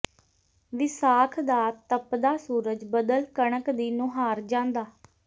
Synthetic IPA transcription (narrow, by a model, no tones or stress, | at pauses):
ʋɪsaːkʰd̪aːt̪əpd̪aːsuːɾəd͡ʒbəd̪əlkəɳəkd̪iːnõɦaːɾd͡ʒãːnd̪aː